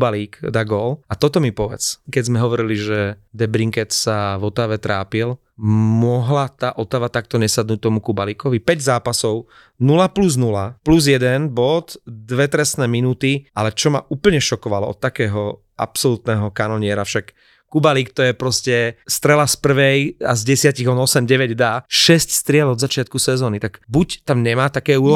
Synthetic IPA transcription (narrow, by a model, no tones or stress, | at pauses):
baliːkd̪aɡɔːlat̪ɔt̪ɔmipɔʋɛ̰t͡skɛɟzmɛɦɔʋɔɾiliʒɛd̪ɛbɾiŋkɛt̪savɔt̪aʋɛt̪ɾaːpil | mʊɔɦlat̪aːʔɔt̪aʋat̪ak̚t̪ɔɲɛsad̪nuːc̚t̪ɔmukubaliːkɔʋipɛɟzaːpasɔʊ | nulapluznulapluzjɛd̪ɛnbɔd̪d̪ʋɛt̪ɾɛsnɛːminuːt̪iʔalɛt͡ʃɔma̰ʔuːpl̩ɲɛʃɔkɔʋalɔɔ̰t̪ːakɛːɦɔ | ʔa̰psɔlut̪nɛːɦɔkanɔɲɪɛɾafʃakː | ubaliːkt̪ɔjɛpɾɔscɛst̪ɾɛlaspr̩ʋɛja̰zɟɛsɪaciɣɔnɔsɛmɟɛʋɛɟd̪aʃɛscst̪ɾɪɛlɔd̪zat͡ʃɪat̪kusɛzɔːnit̪aɡbuct̪amɲɛmaːt̪akɛːuːɔ